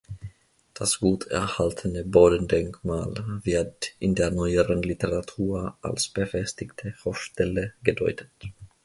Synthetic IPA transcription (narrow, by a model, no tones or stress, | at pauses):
d̥asɡ̥uːtʰɛ̰ɐhaltʰənəboːdəndɛŋkmaːlvɪɐtɪndeːɐnɔʏəʁənlitəʁatʰuːɐʔa̰lsb̥əfɛstɪktʰəhoʊʃtɛləɡədɔʏtʰə̥t